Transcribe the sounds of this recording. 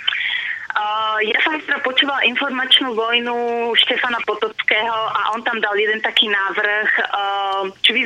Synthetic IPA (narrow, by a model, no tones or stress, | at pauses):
jasɔmɦɛst̪ɾapot͡ʃuːvalʔinfɔɾmat͡ʃnuːvojnuʃt̪ɛfanapot̪ɔt͡skɛːɦɔʔaʔɔnt̪amd̪aljɛd̪ɛnt̪akiːnaːvr̩x | t͡ʃɔvi